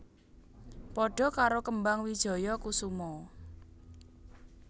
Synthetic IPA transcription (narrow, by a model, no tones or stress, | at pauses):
pɔɖ̥ɔ̤kaɾokəmbaŋwid̥ʒ̥ɔ̤jɔkusumɔ